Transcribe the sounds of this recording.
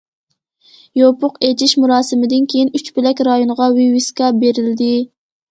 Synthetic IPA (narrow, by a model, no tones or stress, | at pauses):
jopʊqet͡ʃʰiʃmuɾɑːsɪmɪd̪ɪnkʲʰejinyt͡ʃpɪlɛkʲɾɑjonʁɑwiwiskɑbeɾɪld̪ɪ